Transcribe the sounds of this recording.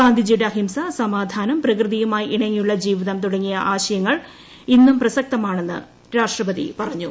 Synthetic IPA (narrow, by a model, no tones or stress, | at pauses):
aːnd̪ʱid͡ʑiɽɦimsɐsɐmaːd̪ʱaːnɐmprɐkrɨðijumaːjʔiɳɐŋːijuɭːɐd͡ʑiːʋiðɐmt̪uɽɐŋːijɐʔaːɕɐjɐŋːɐɭ | inːumprɐsɐk̚t̪ɐmaːɳe̞nːɨ̰ | ɾaːʂʈrɐpɐðḭpɐrɐɲːu